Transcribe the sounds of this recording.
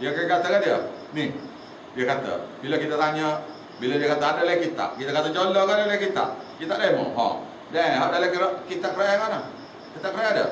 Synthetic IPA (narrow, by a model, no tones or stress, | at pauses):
djəkakat̪əkandiənih | diəkat̪ə̰bilakit̪at̪aɲə | biladiəkat̪əadəlaikit̪a̰ʔkit̪akat̪ət͡ʃolɔkadalakit̪a̰ʔkit̪aʔdaimo̰ɦɔ̰̃ | daɦaʔdalakiɾaʔkit̪aʔkəɾajakana | kit̪aʔkəɾajadə̰